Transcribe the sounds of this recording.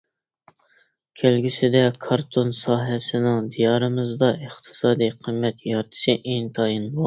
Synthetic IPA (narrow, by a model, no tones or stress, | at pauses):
kʲʰælɡʲisɪd̪ɛkʰɑɾt̪ʰonsɑːɦɛsɪnɪŋd̪ijɑɾɨmɨzd̪ɑəχt̪ʰɨ̥sɑːd̪iqʰimːɛt̪jɑɾt̪ʰɨ̥ʃɪʔeŋt̪ʰɑjinbo